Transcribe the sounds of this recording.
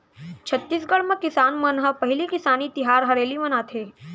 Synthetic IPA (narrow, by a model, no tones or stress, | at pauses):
t͡ʃʰɐt̪ːiːsɡɐɽmẽkɪsaːnmɐnɦəpɐɦɪlikɪsaːnit̪ɪɦaːɾɦɐɾeːlimɐnaːt̪ʰeː